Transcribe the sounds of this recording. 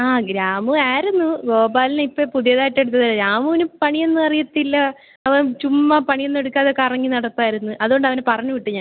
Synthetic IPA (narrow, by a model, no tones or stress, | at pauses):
aːɡɾaːmɨaːɾunːuɡo̞ːbaːlineipːɐpuðijɐðaːjiʈːe̞ɽut̪ːɐðɐlɐɾaːmuʋinupɐɳijenːɨɐrijɐt̪ːilːɐ | ɐʋɐt͡ɕumːɐpɐɳije̞nːe̞ɽukːaːðeokːeɐrɐŋːinɐɽɐp̪ːaːjiɾunːuʔɐðuo̞ɳɖɐʋɐnepɐrɐɲːuʋiʈːɨɲaːn